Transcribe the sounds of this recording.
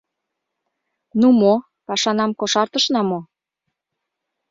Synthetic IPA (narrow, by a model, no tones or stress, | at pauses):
numo | pɑʃɑnɑmkoʃɑrt̪əʃnɑmo